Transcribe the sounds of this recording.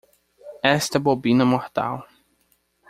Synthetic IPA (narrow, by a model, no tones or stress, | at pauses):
ɛst̪ɐbobĩnɐmoht̪a̰w